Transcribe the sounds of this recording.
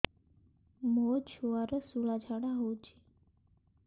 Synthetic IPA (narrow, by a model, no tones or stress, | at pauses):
mot͡ʃʰuaɾəsulad͡ʒʱaɽaɦot͡ʃʰi̥